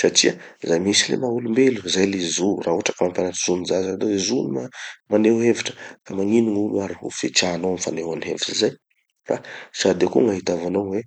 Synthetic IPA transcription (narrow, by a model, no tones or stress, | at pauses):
saʈ͡ʂiazajmisilḛmaulumbeluzajlizuraːuaʈ͡ʂakamampjanaʈ͡ʂiz̥unizazaanozezunimamaneueviʈ͡ʂə̥kamaŋiniŋuluaɾiṵfet͡ʃanowamifanewaniɦḛviʈ͡ʂizaj | fa̰sad̪ekuŋaɦit̪avanawwe